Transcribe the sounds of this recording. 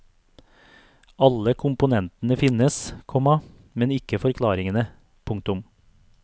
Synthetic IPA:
ɑləkʰʊmpʊnɛnt̪ənəfɪnəskʰɔmɑ | mɛnɪkəfɔɾkʰlɑːɾɪŋənə | pʰʊŋk̚t̪ʊm

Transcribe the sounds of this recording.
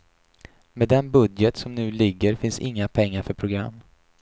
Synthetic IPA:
meːd̪ɛnbɵd̪jət̪sɔmnʉ̟ːlɪɡːəɾfɪnsɪ̰ŋːapʰɛŋːaɾfœɾpʰɾʊɡɾa̰mː

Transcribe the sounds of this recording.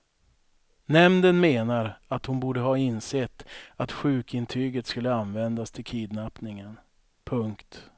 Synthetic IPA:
nɛmnd̪ənmeːnaɾat̪hʊnbuːɖəɦɑːɪnsɛt̪ːat̪ɧʉ̟ːkɪnt̪ʰyːɡət̪skɵlːəanvɛnd̪ast̪ʰɪlkʰiːd̪napnɪŋən | pʰɵŋkt̪

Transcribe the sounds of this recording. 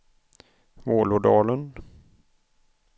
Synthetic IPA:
voːlʊɖɑːlən

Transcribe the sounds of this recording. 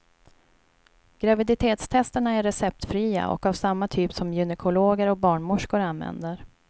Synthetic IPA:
ɡ̥ɾavɪd̪ɪt̪ʰeːt̪st̪ʰɛst̪əɳaæːɛsɛp̚t̪fɾiːa̰ʔɔ̰kavsamːat̪ʰyːpsɔmjɵnɛkʰʊloːɡəɾɔk̚bɑːɳmʊʂkʊɾanvɛ̰nd̪əɾ

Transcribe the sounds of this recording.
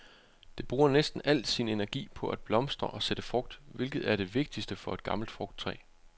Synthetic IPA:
d̥e̝b̥ʁuːɐnesd̥n̩æl̰d̥sine̝næɐɡ̥ḭːpʰɒ̽ʔæd̥̚b̥lɒ̽msd̥ʁɐʔɒ̽sed̥əfʁɔ̽ɡ̥̚d̥ʋe̝lɡ̥ð̞̩ˠæɐɾe̝ʋe̝ɡ̥̚d̥isd̥əfɒ̽e̝d̥̚ɡ̥ɑ̈ml̩d̥fʁɔ̽ɡ̥̚d̥̚t͡sʰʁɛ̰ː

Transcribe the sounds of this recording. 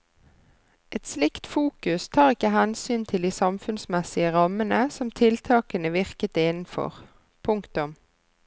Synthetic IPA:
ʔɛt̪slɪkt̪fuːkʉst̪ʰɑːʁɪkəɦɛnsyːnt̪ʰɪld̪iːsɑmfʉnsmɛsɪəʁɑmənəsɔmt̪ʰɪlt̪ʰɑːkənəʋɪʁkət̪ɪnn̩fɔ̰ʁ | pʰʊŋkt̪ʊm

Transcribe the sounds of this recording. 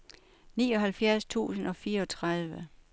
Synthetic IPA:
niːɒ̽ɦælfjæɐst͡sʰṵːsən̩ɒ̽fiːɐɒ̽t͡sʰʁað̞ˠʋə

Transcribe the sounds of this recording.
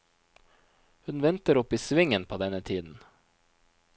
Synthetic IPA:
hʉnʋɛnt̪əɾɔpiːsʋɪŋənpʰoːd̪ɛnət̪ʰiːd̪n̩

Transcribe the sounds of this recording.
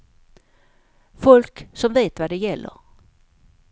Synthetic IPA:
fɔlksɔmveːt̪vad̪ɛjɛlːə̰ɾ

